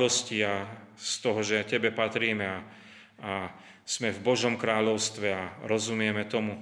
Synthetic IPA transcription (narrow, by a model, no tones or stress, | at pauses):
ɔscia | st̪ɔɦɔʒɛcɛbɛpat̪ɾiːmɛa | a | smɛvbɔʒɔmkɾaːʎɔʊst̪ʋɛaɾɔzumɪɛmɛt̪ɔmu